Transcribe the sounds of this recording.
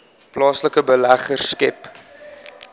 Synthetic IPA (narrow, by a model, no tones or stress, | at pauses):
plɑːsləkəbəlæχərskɛp